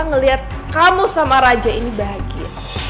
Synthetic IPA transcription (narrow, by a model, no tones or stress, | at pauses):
ŋəliɦat̪̚ | kamusamaɾad͡ʒainibaɦaɡia̰